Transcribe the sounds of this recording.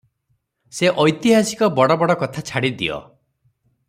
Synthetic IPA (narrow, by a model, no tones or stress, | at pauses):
seʔɔjt̪iɦasi̥kɔbɔɽɔbɔɽɔkɔt̪ʰat͡ʃʰaɽid̪ḭɔ̰